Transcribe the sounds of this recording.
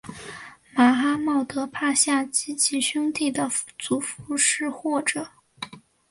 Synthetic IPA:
ma˧˥xa˥mɑ˥˩ʊt̪ɤ˧˥pʰa˥˧ɕja˥˩t͡ɕi˥t͡ɕʰi˧˥ɕʊ˥ŋt̪i˥˩d̪ə˩t͡su˧˥fu˧˥ʂɻ̩˥˧xwɔ˥˩ʈ͡ʂɤ˨˩˦

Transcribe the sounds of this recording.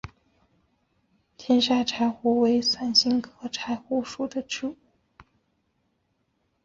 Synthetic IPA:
t̪ʰjɛ˥nʂa˥˩ʈ͡ʂʰa˧˥ɪxu˧˥we˧˥ɪsa˥˩nɕi˥ŋkʰɤ˧˥ʈ͡ʂʰa˧˥ɪxu˥ʂu˨˩d̪ə˦ʈ͡ʂu˥˩˥

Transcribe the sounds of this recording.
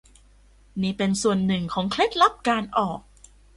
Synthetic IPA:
niː˦˥pe˧nsu˨˩ənːɯ˨˩ŋkʰɔː˩˦ŋkʰle˦˥t̪̚la˦˥p̚kaː˧nʔɔː˨˩k̚

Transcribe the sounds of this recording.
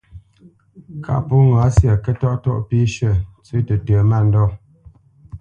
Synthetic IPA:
ka̰˦ʔpu˦ŋa˨˦sja˨kɛ˦tɔ˦ʔtɔ̰˦ʔpi˦ʃə˦˨t͡sʉ˦tə˨tə˨ma˦˨n˦dɔ˦˨

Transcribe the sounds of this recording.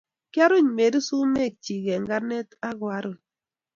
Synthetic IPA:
kja˦ɾʊ˦˨ɲ˨me˨di˦su˦me˦˨k̚t͡ʃi˨ɡe˨ŋɡa˦ne˦ta˦ɡwa˦ɾo˨

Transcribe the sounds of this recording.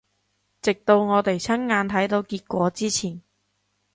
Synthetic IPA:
t͡sɪ˨k̚t̪o˧wŋɔː˨˧t̪e˨˩jt͡sʰɐ˥ŋŋaː˧nt̪ʰɐ˨˥jt̪o˧wkiː˧t̚kʷɔː˨˥t͡siː˥t͡sʰiː˨˩n

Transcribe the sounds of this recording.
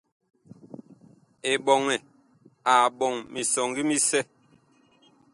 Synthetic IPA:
e˨ɓɔ˨ŋɛ˨ | a˨ɓɔ˨ŋmi˨sɔ˨ŋɡi˦mi˦sɛ˦

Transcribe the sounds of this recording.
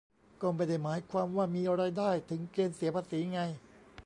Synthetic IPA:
kɔː˥˩ma˧jda˥˩jmaː˩˦jkʰwaː˧mwaː˥˩miː˧ʔa˧ɾa˧jdaː˥˩jt̪ʰɯ˩˦ŋkeː˧nsi˨˩˦pʰaː˧siː˩˦ŋa˧j

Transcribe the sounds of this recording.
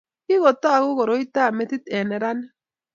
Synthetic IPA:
kɪ˦ɣɔ˨t̪a˦a˨ɣʊ˦ɣɔ˨ɾo˨i˦t̪a˦˨me˨t̪i˦t̪ɛ˨nɛ˨ɾa˦n

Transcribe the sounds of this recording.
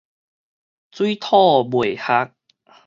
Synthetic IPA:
t͡swi˦t̪ʰɔ˥˧˨bwe˨˩ha˦k̚

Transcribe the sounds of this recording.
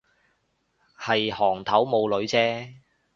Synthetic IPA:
hɐ˨jhɔː˨˩ŋt̪ʰɐ˨˥wmo˨˧wlɵ˨˧ɥt͡sɛː˥

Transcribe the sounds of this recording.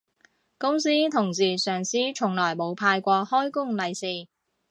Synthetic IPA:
kʊ˥ŋsiː˥t̪ʰʊ˨˩ŋsiː˨˩sœː˨˩ŋsiː˥t͡ʃʰʊ˨˩ŋlɔː˨˩jmo˨˧wpʰaː˧jkʷɔː˧hɔː˥jkʊ˥ŋlɐ˨˧jsiː˨˧

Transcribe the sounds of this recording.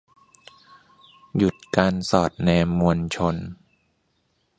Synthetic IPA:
ju˨˩t̪̚kaː˧nsɔː˨˩t̪̚nɛː˧mmːu˧ənt͡ɕʰo˧n

